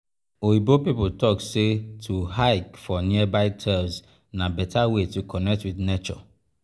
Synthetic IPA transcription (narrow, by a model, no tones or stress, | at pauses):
ohibopipotʰɔksetʰuhaɪkfɔnĩɛbaɪtʰɛs | nãbɛtʰawetʰukʰɔnɛk̚twidnet͡ʃɔ